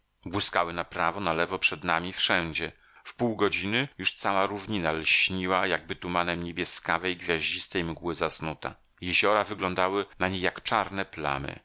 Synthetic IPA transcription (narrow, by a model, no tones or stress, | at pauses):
bwɘskawɘnapɾavɔnalɛvɔpʂɛd̪namʲifʂɛɲd͡ʑɛ | fpuwɡɔd͡ʑinɘjuʂt̪sawaɾuvɲinalɕɲiwajaɡ̚bɘt̪umanɛmɲebʲjɛskavɛjɡvʲjaʑd͡ʑist̪ɛjmɡwɘzasnut̪a̰ | jɛʑɔɾavɘɡlɔnd̪awɘnaɲejakt͡ʂaɾnɛpla̰mɘ̰